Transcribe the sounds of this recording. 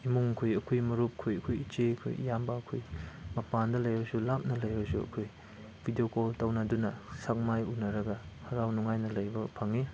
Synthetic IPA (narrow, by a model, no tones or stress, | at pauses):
imuŋkʰojɐkʰojmɐɾup̚kʰojɐkʰojit͡ʃekʰo̰j̰jambɐːkʰojmɐpandɐlɐjbɐsulap̚nɐlɐjbɐsuɐ̰kʰoj | bʱidijokoltɐwnɐdunɐsak̚majunɐɾɐɡɐhɐɾawnuŋajnɐlɐjbɐpʰɐŋi